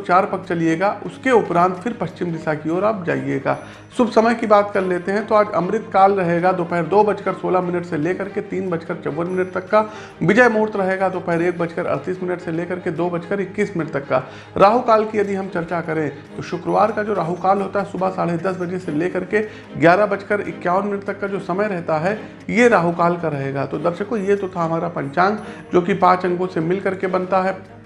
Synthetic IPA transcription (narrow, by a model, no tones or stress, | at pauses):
t͡ʃaːɾpɐk̚t͡ʃɐlieːɡaʔʊskeʊpɾãːnt̪fʰɪɾpɐʃt͡ʃɪmd̪ɪsakioːɾab̚d͡ʒa̰ːiḛːɡa̰ː | sʊbʱsɐməjkibaːt̪kɐɾleːt̪eɦɛ̃t̪oaːd͡ʒɐ̰mɾɪt̪̚kaːlɾɐɦeːɡad̪oːpɛɦɾd̪oːbɐt͡ʃkəɾsoːlamɪnəʈseleːkɐɾket̪iːnbɐt͡ʃkəɾt͡ʃɐʋːənmɪnəʈ̚t̪ɐkːa | ʋɪd͡ʒəjmoːɾt̪ɾɐɦeːɡad̪oːpɛɦɾeːk̚bɐt͡ʃkəɾɐ̰ɾt̪iːsmɪnəʈseleːkɐɾked̪oːbɐt͡ʃkəɾɪkːiːsmɪnəʈt̪ɐkːa̰ | ɾʔaːɦukaːlkijɐd̪iɦɐmt͡ʃɐɾt͡ʃakɐɾẽː | t̪oʃʊkɾəʋaːɾkad͡ʒoːɾaːɦukaːlɦoːt̪aɦɛsʊbʱasaːɽed̪ɐsbɐd͡ʒeseleːkɐɾke | ɡjaːɾabɐt͡ʃkəɾɪ̰kːjaːʋənmɪnəʈ̚t̪ɐkːad͡ʒoːsɐməjɾɛɦt̪aɦɛ | jeɾaːɦukaːlkaɾɐɦeːɡat̪od̪ɐɾʃəkojet̪ot̪ʰaɦɐmaːɾapɐ̃ɲt͡ʃãːŋɡd͡ʒoːkipãːt͡ʃɐ̃ŋɡõsemɪlkɐɾkebɐnt̪aɦɛː